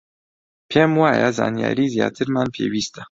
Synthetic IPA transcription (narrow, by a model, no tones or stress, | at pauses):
pʰeːmwaːjazaːnija̰ːɾiːzijaːt̪ʰɨɾmaːnpʰeːwiːst̪ḁ